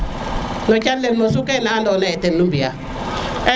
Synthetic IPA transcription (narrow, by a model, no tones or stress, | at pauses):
nɔt͡ʃallːenmosukɛnandɔnaɛtenːumbija | ɛ